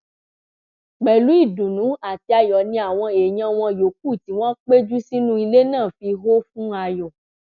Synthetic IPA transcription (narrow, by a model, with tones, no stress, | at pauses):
ɡ͡bɛ˨lu˨˦i˦˨dũ˨nũ˨˦a˨ti˧a˨jɔ˨nĩ˧˦a˨w̃ɔ̃˧e˨ɲã˧w̃ɔ̃˧jo˨˦k̚u˦˨ti˨w̃ɔ̃˦k͡pe˦d͡ʒu˦si˦nũ˦i˧le˦nãː˦˨fi˧ɦo˦fũ˦a˧jɔ˨